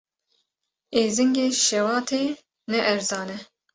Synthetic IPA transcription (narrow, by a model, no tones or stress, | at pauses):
eːzɨŋɡeːʃɛwɑːt̪ʰeː | nɛʔɛɾzɑːnɛ